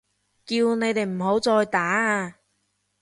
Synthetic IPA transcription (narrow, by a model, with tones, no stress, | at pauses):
kiː˧wne˨˧jt̪e˨jm̩˨˩ɦo˨˥wt͡sɔː˧jt̪aː˨˥aː˧